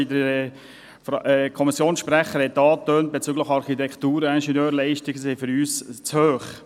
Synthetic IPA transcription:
idə | fɛkʰɔmisjoːnsʃpɾɛχːəɾhɛt̪ːɑːt̪øːnt̚b̥et͡syːɡləχɑɾχit̪ɛkχt̪uːɾəɛnʃɛnøːɾlɛɪʃtɪɡsefʏɾyːst͡shøːχ

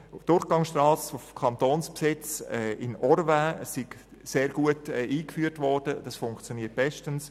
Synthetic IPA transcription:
d̥ʊɾχɡ̥ɑŋsʃtrɑːsofkʰɑnt̪oːnspsɪt͡sɛɪnɔɾvaːəssɪɡ̥ | seːɾɡuətɛʔiːkfyəɾtvɔrd̥əd̥ɑsfʊŋkt͡sjoniːət̚b̥ɛʃtəns

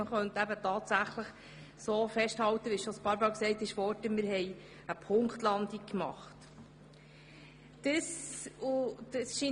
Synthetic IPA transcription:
əχœnt̪æbətɑːt̪sæχləχ | soːfɛʃthɑwt̪əʋiʃɔspɑːɾbɑːksɛɪt̪ɪʃfɔɾtəmɪɾɦɛj | əpʰʊŋkt̪lɑnd̪ik̚kːmɑχt | d̥əsud̥əsʃi

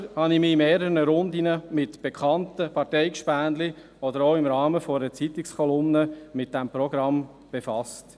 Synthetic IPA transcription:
hɑnɪmɪimeːɾəɾnəɾʊnd̪inəmɪtb̥ekʰχɑntəpʰɑɾtɛɪkʃpæːndli | ɔd̪əɾoʊɪmɾɑːməfɔɾət͡sit̪ɪkskʰɔlʊmnəmɪt̚d̥ɛmpɾɔɡɾɑm | b̥efɑst

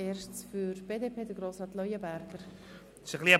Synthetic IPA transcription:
eːɾʃt͡sfyɾb̥eːdeːpʰeːdəɡɾoːsrɑːt̪lɔjəbæɾɡ̥əɾ | ɪʃəχliːə

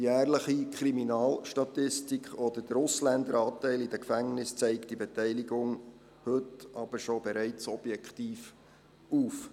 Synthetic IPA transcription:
jæːɾləχikʰχɾiminɑːlʃtɑtɪstikχɔd̪əd̥əɾʊslænd̪əɾɑːtɛɪlid̥əkfæŋnɪst͡sɛɪkt̚d̥ibɛtɛɪliɡʊŋ | hɵtɑb̥əɾʃɔbɛɾɛɪt͡sɔb̥jɛkχtiːf | uːf

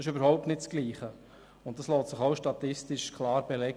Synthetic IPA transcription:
ɪʃøbəɾhɔʊp̚tnɪtt͡sɡ̥liːχə | ʊnt̚d̥ɑsloːtsɪχaʊʃtɑt̪ɪstɪʃkʰlɑːɾbelɛɡ

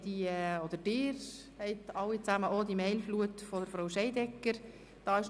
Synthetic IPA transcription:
d̥iɛod̥əd̥ɪːɾ | hɛɪt̪ɑwit͡sæməʔoːd̪imɛɪlfluətfɔd̥əɾfɾoʊʃɛɪdɛkːəɾ | d̥ɑːɪʃ

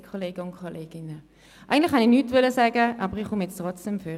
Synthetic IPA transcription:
kʰoleːɡəʊnkʰoleːɡ̥ɪnə | ʔa̰ɪɡən̩tlɪχhaninyːtʋʏləsɛːɡəʔɑːbəʁiχʊmjɛt͡stʁɔt͡sd̥ɛmføː

